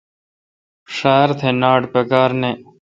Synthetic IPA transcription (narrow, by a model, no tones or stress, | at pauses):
ʂaːɾt̪ʰeːnaːɖpekaːɾneː